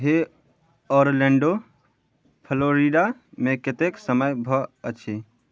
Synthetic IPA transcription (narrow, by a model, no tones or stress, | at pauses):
ɦe | ɔɾlẽɳɖo | pʰəloɾiɖameket̪eksəməjbʱɔət͡ʃʰi